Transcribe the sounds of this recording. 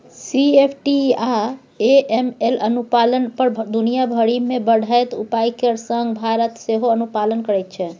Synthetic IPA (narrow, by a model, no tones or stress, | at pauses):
siepʰʈia | eemelənupalənpəɾd̪unijabʱəɽimebəɽ̤ʱajt̪upajkeɾsəŋɡbʱaɾət̪seɦoənupalənkəɾɛjt̪̚t͡ʃʰɛ